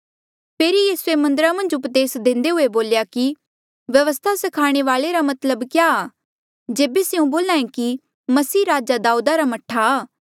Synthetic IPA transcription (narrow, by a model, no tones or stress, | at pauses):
pʰeːɾijiːsuemɐ̃nd̪əɾamɐ̃nd͡ʒʊpd̪eːsd̪ẽːnd̪eɦʊeboːljaki | ʋjɐʋəst̪ʰasɐkʰaːɽ̃eʋaːleɾamɐt̪ləbkjaː | d͡ʒeːbeseũboːlãːẽki | mɐsiːɾaːd͡ʒad̪aːuːd̪aɾamɐʈʰːaː